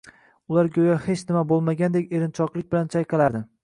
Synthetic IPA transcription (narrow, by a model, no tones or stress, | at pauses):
ʊlaɾɡʲojahe̞t͡ʃnɪmabolˠmaɡʲand̪e̞kʲe̞ɾɪnt͡ʃʰɒqlˠɪk̚ʲbɪlant͡ʃʰajqɨlˠaɾd̪ɪ